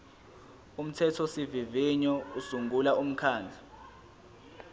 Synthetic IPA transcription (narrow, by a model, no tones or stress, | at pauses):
um̩tʰɛtʰɔsiviviɲɔusuŋɡʱulaum̩kʰaːnd͡ɮʱa